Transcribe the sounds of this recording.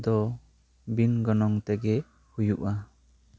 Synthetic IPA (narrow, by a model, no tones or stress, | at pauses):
d̪ɔ | binɡɔnɔŋt̪ɛɡɛ | hujuʔa